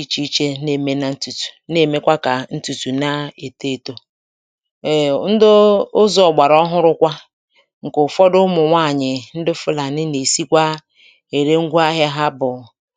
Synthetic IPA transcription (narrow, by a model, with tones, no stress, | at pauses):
i˦t͡ʃi˦t͡ʃe˦ne˨me˦na˨n̩˦tu˨tu̥˨ne˨me˦kʷa˦ka˨n̩˦tu˨tu˨na˦e˨te˦˨to˦˨ | n̩˦dʊ˦ʊ˦zɔ˨ɡ͡ba˨ɾɔ˦ɦʊ˦ɾʊ˦kʷa˦ | ŋ̩˨kʊ˨fɔ˦dʊ˦mʊ˨ŋʷa˦˨ɲɪ˨n̩˦dɪ˦fʊ˦la˨nɪ˦ne˨si˦kʷa˦ | e˨ɾe˦ŋ̩˦ɡʷa˦ɦɪ˦ɦa˦bʊ˨